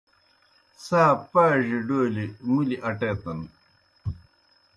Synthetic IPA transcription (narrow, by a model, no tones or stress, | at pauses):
saːpaːʑiɖoːlimuliʔɐʈeːt̪ɐn